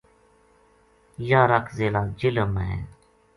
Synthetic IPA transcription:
jaːɾakzeːlaːd͡ʒɪləməḛ

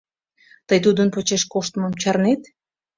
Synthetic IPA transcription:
t̪əjt̪̬ud̪ənpot͡ɕeʃkoʃt̪əməmt͡ɕɑrnet̪

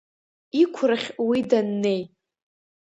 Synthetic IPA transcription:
ikʷʰraχʲwidanːe̞j

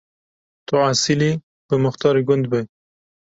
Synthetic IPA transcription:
t̪oʕasili | bəmʊxt̪ɑːɾiɡʊnd̪bej

